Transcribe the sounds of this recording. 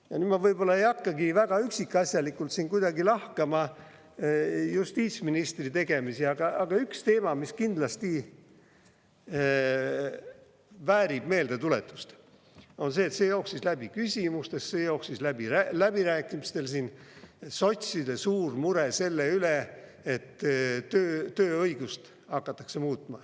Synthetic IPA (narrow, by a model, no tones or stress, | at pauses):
jɑ̰nyːd̪mɑvɤjbo̞lːɑejɑkːɑɡivæɡ̥ɑyksikːɑsʲjɑlikːˑult̪siːnkujd̪̥ɑɡilɑhkɑmɑ | just̪iːt̪sminist̪rit̪e̞ɡ̥e̞misiɑɡ̥ɑʔɑɡ̥ɑykst̪e̞ːmɑmiskind̪lɑst̪i | væːɾib̥me̞ːld̪et̪ule̞̰t̪ːˑu̥st̪ | o̞nse̞ːt̪sejoːksislæb̥ikysʲimust̪e̞sse̞ːjoːksislæbiælæb̥iɾæːkːˑimist̪e̞lsinso̞t̪ʲsid̪esuːrmuɾese̞lːeyle | et̪ːøːt̪øːɤjɡ̥ust̪ | hɑkːɑt̪ːˑɑ̥kse̞muːt̪ːˑmɑ